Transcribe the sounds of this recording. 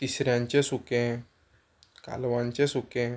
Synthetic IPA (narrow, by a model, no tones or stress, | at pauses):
t̪isɾjãɲt͡ɕesukẽ | ka̰lʋãɲt͡ɕesukẽ